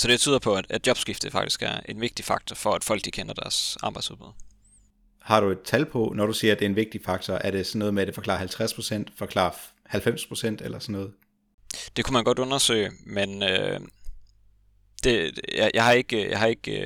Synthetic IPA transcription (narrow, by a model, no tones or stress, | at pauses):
sɒ̽d̥eb̥t͡sʰyːð̰ˠɐpʰɒ̽æd̥æ̥djɒ̽b̥sɡ̥ifd̥ðəfɑ̈ɡ̥d̥i̥sɡ̥æɐe̝nʋe̝ɡ̥̚d̥ifɑ̈ɡ̥̚t͡sʰɒfɒ̽æd̥fɒ̽l̰ɡ̥̚ikʰenɐd̥æɐsɑ̈ːb̥ɑ̈ɪdsuðˠbuð̰ˠ | hɑ̈ɾ̥ue̝d̥̚t͡sʰælpʰɔ̽nɒɾ̥usiːɐd̥e̝enʋe̝ɡ̥̚d̥ifɑ̈ɡ̥̚t͡sʰɒʔæɐɾ̥e̝sɒnːɔ̽ːð̞̩ˠmeæd̥ɾe̝fɒ̽kʰlɑ̈ːhælt͡sʰʁaspʰʁosen̰d̥fɒ̽kʰlɑ̰̈ː | hælfem̰spʰʁo̝sen̰d̥elɐsɒnːɔ̽ːð̩ˠ | d̥e̝kʰumænɡ̥ɒ̽d̥ɔ̽nɐsø̰ːɪmenø | d̥e̝jjʔɑ̈ɪhɑ̈e̝ɡ̥jɑ̈hɑ̈e̝ɡ̥